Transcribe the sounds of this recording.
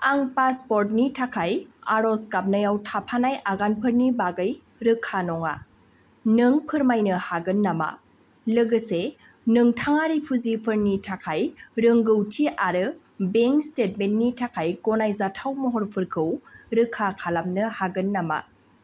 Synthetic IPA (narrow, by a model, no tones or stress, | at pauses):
aŋpaspɔɾt̬̚nitʰakʰajaɾɔskap̚najawtʰapʰanajʔaɡanpʰɯɾnibaɡɯj | ɾɯkʰːanɔŋa̰ | nɯŋpʰɯɾmajnɯhaɡɯnːama̰ | lɯɡɯse | nɯŋtʰaŋaɾipʰuzipʰɯɾnitʰakʰajɾɯŋɡɯwtʰiʔaɾɯ | beŋkstet̚mentːitʰakʰajɡɔnajzatʰawmɔɦɔɾpʰɯɾkʰɯwɾɯkʰːakʰalamnɯhaɡɯnːama̰